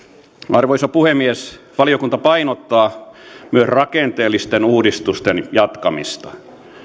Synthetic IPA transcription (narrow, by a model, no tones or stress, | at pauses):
ɑrʋoisɑpuhemːies | ʋɑliokunt̪ɑpɑinot̪ːɑːmyøsrɑkent̪eːlːist̪enuːdist̪ust̪enjɑt̪kɑmḭst̪ɑ